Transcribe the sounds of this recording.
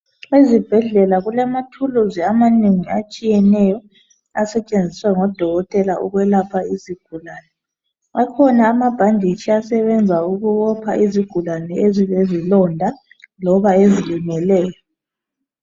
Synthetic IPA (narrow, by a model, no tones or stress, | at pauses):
ezib̥ʱɛɮɛlaɣulamatʰuluziamaneŋiat͡ʃʼijɛnɛjɔ | asɛt͡ʃʼend͡zʱiswaŋɔd̥ʱɔɣɔtʼɛlaʔuɣwɛlapʰaiziɡ̥ʱulaːnɛ | akʰɔnaːmab̥ʱandʱit͡ʃʰiasɛβɛnd͡zʱauɣuβɔpʰa̰ʔiziɡ̥ʱulanɛeziβezilɔndʱa | lɔβaezilimɛlɛːjɔ